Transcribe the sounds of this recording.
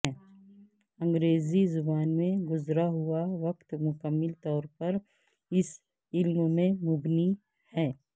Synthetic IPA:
ə̃ŋɡɾeːzizʊbaːnmẽɡʊzɾaɦʊaʋɐkt̪mʊkəmːɪlt̪ɔːɾpɐɾ | ɪs | ɪlmmẽmʊbni | hɛː

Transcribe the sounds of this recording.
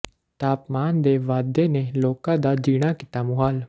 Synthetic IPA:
t̪aːpmaːnd̪eːʋaːd̪eːneːloːkãːd̪aːd͡ʒiːɽ̃aːkɪ̥t̪aːmʊɦaːl

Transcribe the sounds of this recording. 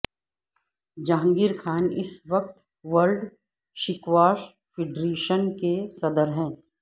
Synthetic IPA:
d͡ʒãːŋɡiɾkʰaːnɪ̰sʋɐk̚t̪ | ʋəɾɖ | ʃɪkʋaːʃ | pʰɪɖɾeːʃənkesɐd̪əɾɦɛ̃ː

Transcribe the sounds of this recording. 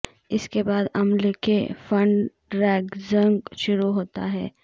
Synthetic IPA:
ɪskebaːd̪ɐmlekʰefɐ̃ɳɖ | ɾɛːɡzə̃ŋɡʃʊɾuɦoːt̪a̰ɦɛː

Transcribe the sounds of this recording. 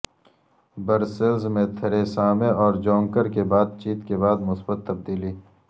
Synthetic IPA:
bɐɾsɪlzmẽt̪ʰɐɾesaːmẽɔːɾd͡ʒõːŋkəɾkebaːd̪̚t͡ʃiːt̪kebaːd̪mʊsbət̪ːɐb̚d̪iːliː

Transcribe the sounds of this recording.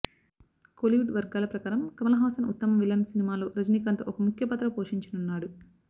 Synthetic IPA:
koliʋuɖʋɐɾɡaːlɐpɾɐkaːɾɐmkɐmɐlɐɦaːsɐnut̪ːɐmɐʋilɐnsinimaːloːɾɐd͡ʒniːkɐnt̪ɐ̰ʔɔkɐmukʰjɐpɐt̪ːɾɐpoːʂiɲt͡ʃɐnunːaːɽu

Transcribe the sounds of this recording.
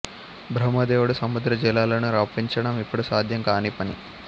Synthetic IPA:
bʱɾɐmɐd̪ɛːʋuɽusɐmud̪ɾɐd͡ʒilːaːlɐnuɾaːpiɲt͡ʃɐɽɐmipːuɽusaːd̪ʱjɐŋkaːnipɐnḭ

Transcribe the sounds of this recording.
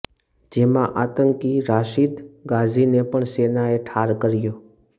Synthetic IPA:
d͡ʒemãʔat̪əŋkiɾaʃid̪ɡad͡ʒʱinepəɳsenaeʈʰaɾkəɾjoː

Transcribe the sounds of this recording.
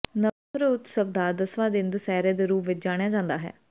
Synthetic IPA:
nə | ɾuʊt̪səb̚d̪aːd̪əsʋãːd̪ɪɪnd̪usɛːɾẽːd̪eɾuːpʰʋɪt͡ʃd͡ʒaːɽ̃ejaːd͡ʒãːnd̪aːɦɛ̰ː

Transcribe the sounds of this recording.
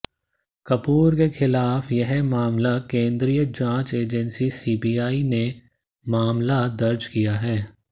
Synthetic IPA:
kɐpuːɾkexɪlaːfjɐɦmaːmlakẽːnd̪ɾijəd͡ʒãːt͡ʃeːd͡ʒɛnsisiːbiːaːine | maːmlad̪ɐɾd͡ʒkijaɦɛː

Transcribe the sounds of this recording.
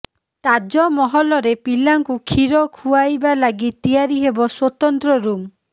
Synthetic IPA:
t̪ad͡ʒɔmɔɦɔlɔɾepilaŋkukʰiɾɔkʰuajbalaɡit̪ijaɾiɦebɔswot̪ɔnt̪ɾɔɾum

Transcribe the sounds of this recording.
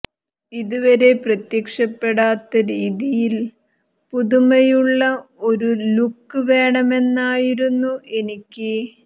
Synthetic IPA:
iðuʋɐɾe̞prɐt̪jɐkʂɐpːe̞ɽaːt̪ːɐɾiːðijil | puðumɐjuɭːɐo̞ɾulukːɨʋe̞ːɳɐme̞nːaːjiɾunːuʔe̞nikʲːɨ

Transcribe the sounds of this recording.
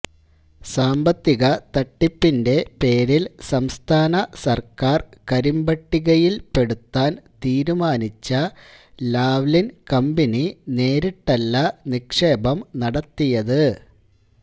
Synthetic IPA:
saːmbɐt̪ːiɣɐt̪ɐʈːipːinde̞pe̞ːɾilsɐmst̪ʰaːnɐsɐrkaːrkɐɾimbɐʈːiɣɐjilpe̞ɽut̪ːaːnt̪iːɾumaːnit͡ɕːɐ | laːʋlinkɐmbinine̞ːɾiʈːɐlːɐnikʂeːbɐmnɐɽɐt̪ːijɐðɨ

